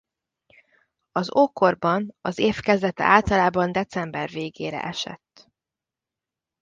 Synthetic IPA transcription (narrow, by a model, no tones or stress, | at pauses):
ɒzoːkorbɒnɒzeːfkɛzd̪ɛt̪ɛ̰ʔaːlt̪ɒlaːbɒnd̪ɛt̪sɛmbɛrveːɡeːɾɛ̰ʔɛʃɛ̰t̪ː